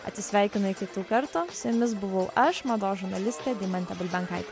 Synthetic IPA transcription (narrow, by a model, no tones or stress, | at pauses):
ɐ̰t̪ʲsʲɪsʲʋʲæˑɪkʲɪnʊɪkʲɪt̪uːkɐɾt̪ʊsʲʊmʲɪs̬bʊʋɐʊʔɐʃmɐd̪oːʒʊɾnɐlʲɪsʲt̪ʲeːd̪ʲimɐnʲt̪ʲɛbʲɪlʲbʲɛŋkɐɪt̪ʲː